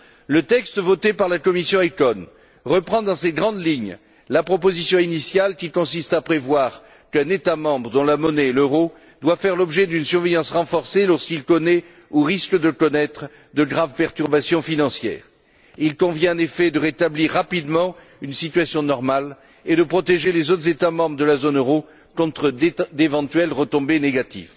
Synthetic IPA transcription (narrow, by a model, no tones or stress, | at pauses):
lət̪ɛkst̪vɔt̪epaʁlakɔmisjɔ̃ekɔn | ʁəpχɑ̃d̪ɑ̃seɡʁɑ̃d̪liɲ | lapχɔp̬ozisjɔ̃inisjalkʲikɔ̃sist̪apχevwaʁ | kɛ̃net̪amɑ̃bʁəd̪ɔ̃lamɔneløʁo | d̪wafɛʁlɔbʒɛd̪ynsyʁvejɑ̃sʁɑ̃fɔʁselɔʁskilkɔnɛ | uʁiskəd̪əkɔnɛt̪χ | d̪əɡʁavpɛʁt̪yʁbasjɔ̃finɑ̃sjɛ̰ːʁ | ilkɔ̃vjɛ̃ɑ̃nefɛd̪əʁet̪abliʁːapid̪mɑ̃ | ynsit̪ɥasjɔ̃nɔʁmal | ed̪əpχɔt̪eʒelezot̪χəzet̪amɑ̃bʁəd̪əlazonøʁo | kɔ̃t̪χəd̪evɑ̃t̪ɥɛlʁət̪ɔ̃beneɡat̪ḭv